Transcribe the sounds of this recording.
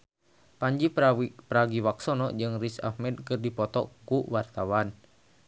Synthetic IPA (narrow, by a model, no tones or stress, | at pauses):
paɲd͡ʒipɾaɡiwaksɔnɔd͡ʒɨŋrisa̰hmɛd̚kɨrdipɔt̪ɔ̰kuwart̪awan